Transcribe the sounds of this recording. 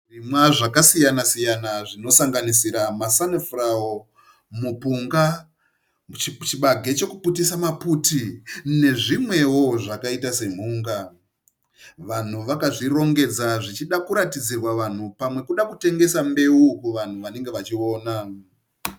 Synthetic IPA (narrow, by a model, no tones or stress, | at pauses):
rimwaʐakasijanasijanaʐino̞saŋɡanisiɾamasanefrawo | mupuŋɡa | t͡ʃiɓaɡʱe̞t͡ʃe̞kuputisamaputine̞ʐimwe̞wo̞ʐakaitase̞m̤uːŋɡa | ʋan̤uʋakaʐiɾo̞ŋɡe̞d͡zaʐit͡ʃiɗakuɾatid͡zirwaʋan̤upamwe̞kuɗakute̞ŋɡe̞sambe̞ukuʋan̤uʋane̞ŋɡe̞ʋat͡ʃio̞ːna